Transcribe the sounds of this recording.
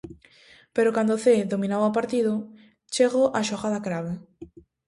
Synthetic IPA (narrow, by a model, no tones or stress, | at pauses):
peɾokand̪oθeðomĩnawapaɾt̪iðʊ | t͡ʃeɣoʔaʃoɣaðakɾaβe